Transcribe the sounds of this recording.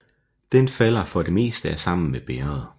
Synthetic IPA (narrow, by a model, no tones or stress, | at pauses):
d̥enfæl̰ɐfɒ̽de̝me̝̰ːsd̥əæɐsɑ̈m̰n̩meb̥eːɐð̩ˠ